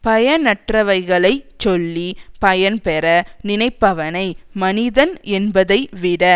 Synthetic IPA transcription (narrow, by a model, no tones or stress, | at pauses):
pɐjɐnɐʈrɐʋɐɪɣɐɭɐɪt͡ʃɔlːipɐjɐnpɛɾɐnɪnɐɪpːɐʋɐnɐɪmɐnɪðɐnɛnbɐðɐɪʋɪɽɐ